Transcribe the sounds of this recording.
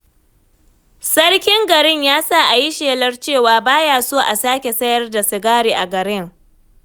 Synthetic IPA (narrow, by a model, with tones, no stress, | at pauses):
sɐ˦rkʲɪ˦ŋɡɐ˨ɾɪ˦ɲjaː˦saː˦˨ʔa˨ji˦ʃeː˨lɐ˦rt͡ʃeː˦˨waː˨baː˦jaː˨soː˦ʔa˨saː˦kʲe˨sɐ˦jɐ˦rda˨sɪ˨ɡaː˦ɾiː˨ʔa˨ɡɐ˨ɾɪ˦ŋ